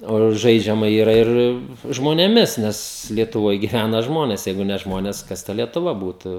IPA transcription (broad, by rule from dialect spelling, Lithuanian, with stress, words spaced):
oː ˈʒɐɪd͡ʒʲɛmɐ iːˈrɐ ˈɪr ʒmoːnʲeːˈmʲɪs ˈnʲɛs lʲiɛtʊˈʋoːj ɡʲɪˈʋʲænɐ ˈʒmoːnʲɛs ˈjɛɪɡʊ nʲɛ ˈʒmoːnʲɛs ˈkɐs tɐ lʲiɛtʊˈʋɐ ˈbuːtʊ